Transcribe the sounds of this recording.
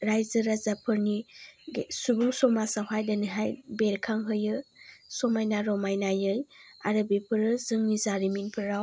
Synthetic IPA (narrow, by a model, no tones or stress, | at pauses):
ɾajzɯɾazapʰɯɾniɡsubuŋsɔmasawɦajdaniɦajbeɾkʰaŋɦɯjɯsɔmajnaɾɔmajnajɯj | a̰ɾɯbepʰɯɾɯzɯŋnizaɾiminpʰɯɾaw